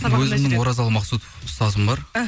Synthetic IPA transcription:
wɵzɪmnɪŋwoɾɑzɑlˠmɑqsut̪ofst̪ɑzəmbɑɾ

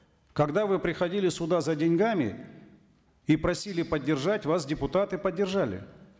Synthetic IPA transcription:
kɐɡd̪avɨpɾʲɪxɐdʲilʲɪsʊd̪azɐdʲɪnʲɡamʲɪ̰ | ipɾɐsʲilʲɪpədʲːɪrʐatʲvas̬dʲɪpʊt̪at̪ɨpədʲːɪrʐalʲɪ̰

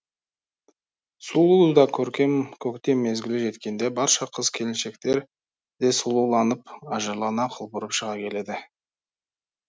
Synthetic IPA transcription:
sulˠuwd̪ɑkʲʰɵɾkʲe̞mkʲʰɵkt̪e̞mːe̞zɡʲɪlɪʒe̞t̪kʲe̞nd̪e̞bɑɾʃɑqʰəzkʲʰe̞lɪnʃe̞kt̪e̞ɾ | d̪̥e̞sulˠulˠɑnəpɑʒəɾlˠɑnɑqʰəlˠbʊɾəpʃəʁɑkʲʰe̞le̞d̪ɪ

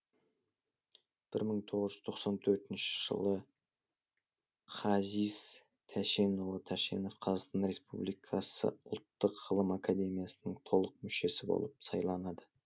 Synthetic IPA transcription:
b̥ɪɾməɴt̪ʰo̞ʁəzʒʏz̥t̪ʰo̞qsɑnt̪ʰɵɾt̪ɪnʃɪ̥ʒ̥ə̰lˠə | qʰɑziz̥ | t̪ʰæʃe̞nolˠət̪ʰæʃe̞̰no̞fqʰɑzɑqst̪ɑnɾe̞spublˠijkʰɑsə̰ʊlˠt̪ːəqːəlˠəmakad̪e̞mijasənəɴt̪ʰo̞lˠəq̚mʏʃe̞sɪbo̰lˠəpsɑjlˠɑnɑd̪ə

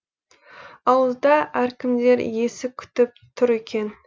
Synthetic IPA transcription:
ɑwəzd̪ɑʔæɾkʲɪmd̪e̞ɾje̞sɪkʲʰʏ̥t̪ɪp̚t̪ʰʊɾekʲʰe̞n

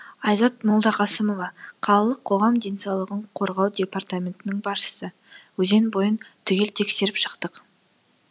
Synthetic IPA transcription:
ɑjzɑt̪̚mʊlˠd̪ɑqʰɑsəmo̞vɑqʰɑlˠəlˠəqʰːo̞ʁɑmd̪ejnsɑwlˠəʁəɴqʰo̞ɾʁɑwd̪ʲe̞part̪amʲe̞nt̪ɪnɪŋbɑɾʃə̥sə | wɵze̞nbo̞jənt̪ʰʏɡʲe̞lt̪ʰe̞kse̞ɾɪpʃə̥qt̪əq

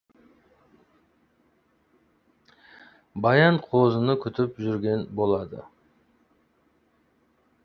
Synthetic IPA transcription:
bɑjɑɴqʰozənəkʲʰʏt̪ypʒʏɾɡʲe̞nbo̞lˠɑd̪ə̰

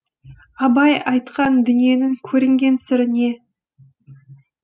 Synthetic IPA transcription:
ɑbɑjɑjt̪qɑnd̪ʏnije̞nɪŋkʲʰɵɾɪŋɡʲe̞nsɪɾɪne̞

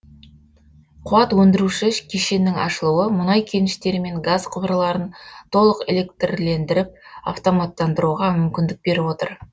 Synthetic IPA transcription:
qʰʊɑt̪wɵnd̪ɪɾuʃɪkʲʰeʃe̞nːɪŋɑ̰ʃəlˠuwəmʊnɑjkʲʰe̞nɪʃt̪e̞ɾme̞ŋɡazqʰʊbɾəlˠɑɾənt̪ʰo̞lˠəqe̞̰lʲe̞k̚t̪rle̞nd̪ɪɾɪp̚a̰ft̪o̞mat̪ːɑnd̪əɾuʁɑmʏmkʲɪnd̪ɪk̚be̞ɾɪwo̞t̪əɾ

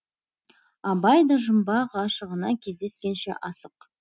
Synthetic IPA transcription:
ɑbɑjd̪ɑʒəmbɑʁɑʃəʁənɑkʲʰe̞zd̪e̞skʲe̞nʃḛʔɑsəq

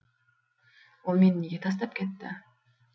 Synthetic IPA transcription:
ulˠmʲenniɡʲet̪ʰɑs̬t̪ɑp̚ket̪ːɪ̰

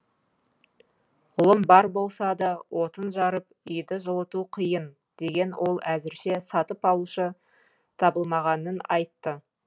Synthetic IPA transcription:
ʊlˠəmbɑɾbo̞lˠsɑd̪ɑwʔo̞t̪ənʒɑɾəp̚ | ʏjd̪ɪʒəlˠət̪uqʰijən | d̪̥e̞ɡʲe̞nwʔo̞lˠæzɪɾʃe̞sɑt̪əpɑlˠuʃə | t̪ʰɑbəlˠmɑʁɑnənɑjt̪ːə

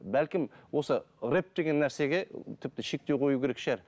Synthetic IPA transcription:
bælkʲɪmwo̞sərep̚d̪e̞ɡʲe̞nːæɾse̞ɡʲe̞t̪ʰɪp̚t̪ɪʃe̞k̚t̪e̞wqʰo̞jukʲʰe̞ɾekʃæɾ

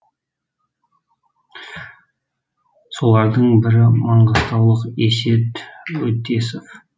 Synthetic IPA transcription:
so̞lˠɑɾd̪əɴbɪɾɪmɑɴɢəst̪ɑwlˠəqese̞t̪wɵt̪ːe̞sof

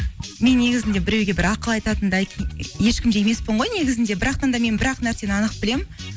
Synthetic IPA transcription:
me̞nːe̞ɡʲɪzɪnd̪e̞bɪɾe̞wɡʲe̞bɪɾɑqəlˠɑjt̪ɑt̪ənd̪ɑje̞ʃkʲɪmd̪ejeme̞spoɴʁo̞jne̞ɡʲɪzɪnd̪e̞bɪɾɑqt̪ɑnd̪ɑme̞nbɪɾɑqnæɾse̞nɑnəq̚b̥ɪle̞m

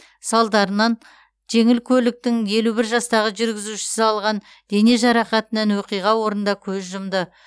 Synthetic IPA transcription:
sɑlˠd̪ɑɾənɑn | ʒ̥e̞ŋɪlkʲʰɵlɪk̚t̪ɪŋje̞lubɪɾʒɑst̪ɑʁəʒʏɾɡʲɪzuʃɪ̥sɪɑlˠʁɑn | d̪̥e̞ne̞ʒɑɾɑqɑt̪ənɑnwoqijʁɑwo̞ɾənd̪ɑkʲʰɵzʒʊmd̪ə

